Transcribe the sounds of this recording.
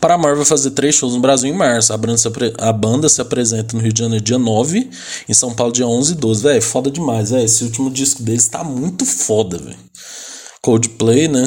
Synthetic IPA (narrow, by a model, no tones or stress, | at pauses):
paɾamaɾvɛwfazeɾt̪ɾejsʃowznʊbɾaziwẽj̃maɾsʊabɐ̃d̪sɾeabɐ̃nd̪ɐsɪapɾezẽnt̪ɐnʊɦiʊd͡ʒɪʒɐ̃neɾʊd͡ʒiɐnɔvɪ | ẽsɐ̃w̃pawlʊd͡ʒiɐõzɪd̪ozɪvɛjfɔd̪ɐd͡ʒɪmajzɛesɪut͡ʃimʊd͡ʒiskʊd̪elɪst̪a̰mũj̃t̪ʊfɔd̪ɐvɛ̰j | kowd͡ʒɪplejnɛ